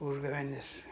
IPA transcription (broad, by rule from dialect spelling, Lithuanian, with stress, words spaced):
ˈuːʒɡɐʋʲɛnʲɪs